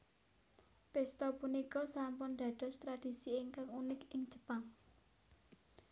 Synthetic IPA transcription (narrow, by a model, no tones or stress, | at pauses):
pɛst̪ɔpunikɔsampʊnd̪̥a̤d̪̥ɔ̤st̪ɾad̥i̤siɪŋkaŋunɪkɪŋd͡ʒʒ̥ə̥paŋ